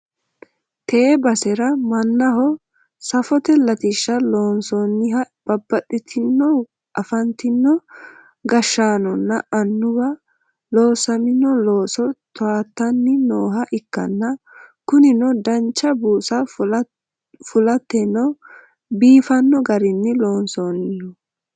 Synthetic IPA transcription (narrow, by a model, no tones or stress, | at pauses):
t̪eɛbɐsɛɾɐmɐnːɐɦɔ | sɐfɔt̪ɛlɐt̪ɪʃːɐloːnsɔnːɪhɐ | b̥ɐbːɐtːɪt̪ʰɪnːɔ | ʔɐfɐnt̪ɪnːɔ | ɡɐʃːaːnɔnːɐʔɐnːʊwɐ | loːsɐmɪnɔlo̞ːsɔt̪ɔaːt̪ːɐnːɪnoːɦɐʔɪkːɐ̰nːɐ | kʊnɪnɔd̪ɐnt͡ʃːɐbuːsɐ | fʊlɐt̪ːɛnːɔ | biːfɐnːɔɡɐɾɪnːɪloːnsoːnɪnɔ